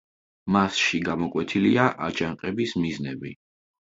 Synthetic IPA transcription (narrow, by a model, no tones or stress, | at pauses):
masʃiɡamɔkʼwɛt̪ʰiliaʔat͡ʃʼaŋqʼɛbismiznɛbi